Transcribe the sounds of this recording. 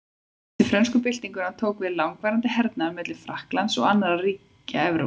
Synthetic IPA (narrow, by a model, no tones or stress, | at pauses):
t̪vɪfɾœnskʏpɪl̥t̪iŋkʏɾhant̪ʰoːwkvɪðlawŋkvɛɾant̪ɪɦɛɾt̪namɛt̪lɪ̥fɾahklansɔ̰ɣanːaɾariːc | a̰ɛvɾo̰